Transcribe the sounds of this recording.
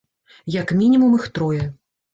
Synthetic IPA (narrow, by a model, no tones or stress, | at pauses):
jɐkmʲinʲimumɨxt̪ɾɔjɐ